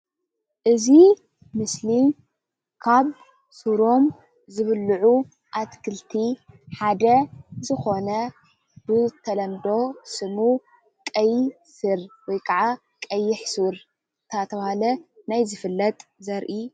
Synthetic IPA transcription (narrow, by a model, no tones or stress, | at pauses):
ʔɨzi | mɨslim | kʰaβ | suɾo̞m | zɨβɨlːɨʕu | ʔat̪kʰɨlt̪ʰiħad̪ɐzɨxo̞nɐ | bɨt̪ʰɐlɐmd̪o̞sɨmu | kʼɐj | sɨɾwɔjkʰɐʕa | kʼɐjːɪħsuɾ | ɨt̪ʰat̪ʰɐβahalɐnajzɨfɨlːɐt̪ʼzɐɾʔi